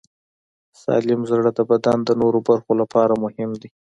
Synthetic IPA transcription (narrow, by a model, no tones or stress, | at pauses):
sɑ̰lɪmzɽəd̪əbad̪and̪ənoɾobaɾxolapɑɾamʊhɪmd̪i